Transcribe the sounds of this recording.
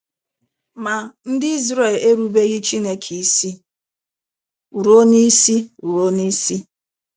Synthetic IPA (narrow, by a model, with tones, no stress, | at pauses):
ma˨n̩˦dɪ˦i˦zɾe˦˨le˦ɾu˦be˦ɣɪ˦t͡ʃi˦ne˦kʰi˨i˦˨si˦ | u˨ɾo˦ni˦si˦u˨ɾo˦ni˦si˦